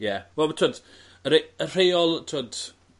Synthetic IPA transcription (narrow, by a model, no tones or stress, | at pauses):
jɛwɛlˠətʰoːd | əɾeər̥ejɔlˠtʰod